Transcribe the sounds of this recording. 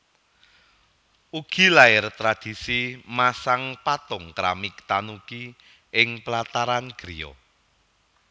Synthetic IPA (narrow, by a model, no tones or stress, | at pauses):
uɡ̥i̤laɪrt̪ɾad̪̥i̤simasaŋpat̪ʊŋkɾa̰mɪkt̪anuki | ɪŋplat̪aɾanɡ̥ɾiɔ̰